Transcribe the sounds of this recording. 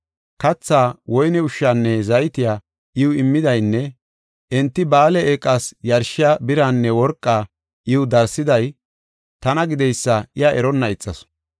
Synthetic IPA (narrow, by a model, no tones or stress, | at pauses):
kɐt͡sːaːwɔjnɛʊʃːaːnːɛzɐjt̪ɪjaː | ʔɪwʊɪmːɪd̪ɐjnːɛ | ʔɛnt̪ːɪbaːlɛeːkʼːasjɐɾʃɪjabɪɾanːɛwɔɾkʼːaː | ʔɪwʊd̪ɐɾsɪd̪ɐj | t̪ɐnɐɡɪd̪ɛjsːɐɪjaʔɛɾɔnːɐɪt͡sʼːɐs